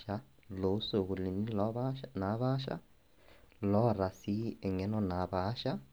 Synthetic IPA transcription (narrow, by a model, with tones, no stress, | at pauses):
a˦ | lo˨u˦so˨ɣu˨li˨ni˦lɔ˦βana˨˦βa˦ʃa̰˦ | lɔ˦˨ɾa˨si˦ɛ˨ŋɛ˦nɔ˦na˨˦βa˦ʃa˦